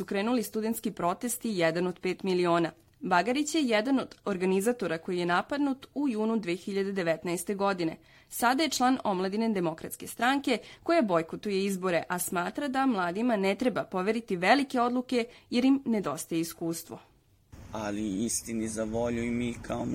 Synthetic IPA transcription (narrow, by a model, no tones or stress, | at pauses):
sukɾe̞ːnulist̪ud̪ent̪skipɾo̞t̪e̞st̪ijɛd̪anod̪pe̞ːt̪milio̞ːna | baɡaɾit͡ɕjejɛd̪ano̞d̪̥oɾɡanizat̪o̞ɾako̞jijenapad̪nut̪ujuːnud̪ʋexiʎad̪ed̪e̞ʋet̪naest̪e̞ɡo̞d̪ine̞̰ | sad̪aje̞t͡ʂlˠaːno̞mlˠad̪ined̪e̞mo̞kɾat̪ske̞st̪ɾaŋke̞ko̞jabo̞jkot̪ujeizbo̞ɾe̞ʔasmaːt̪ɾad̪amlˠaːd̪imanet̪ɾe̞bapo̞ʋeɾit̪iʋelike̞o̞d̪lˠuke̞jeɾimned̪o̞st̪ajeiskuːst̪ʋo̞̰ | aliist̪inizaʋoʎuimikʰao